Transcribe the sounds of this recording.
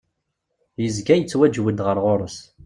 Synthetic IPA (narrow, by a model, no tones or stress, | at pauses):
jəzɡæjət͡sːwæd͡ʒwəd̪ʁəɾˤʁoɾˤəs